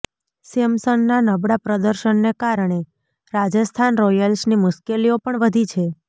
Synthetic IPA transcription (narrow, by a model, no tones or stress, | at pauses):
semsənːanəbɽapɾəd̪əɾʃənːekaɾɳ̃e | ɾad͡ʒəst̪ʰanɾɔjəlsnimʊʃkeliopəɳʋəd̪ʱit͡ʃʰe